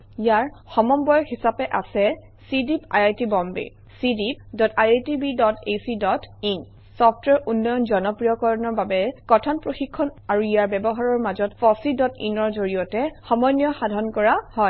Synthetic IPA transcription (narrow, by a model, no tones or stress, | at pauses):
ijaɹxɔmɔmbɔjɔhisapɛʔa̰sɛ | sidipa̰jajtibɔmbḭ | sidip̚dɔtʰajatibidɔtʰesidɔtin | sɔpʰtwɛɹunːɔjɔnzɔnɔpɹijɔkɔɹɔnɔɹbabɛkɔtʰanpɹoxikʰːɔnaɹuijaɹbɛbɔɦaɹɔɹmazɔtfɔsidɔtḭnɔɹzoɹijɔtɛxɔmɔjnijɔxadʱɔnkɔɹahɔj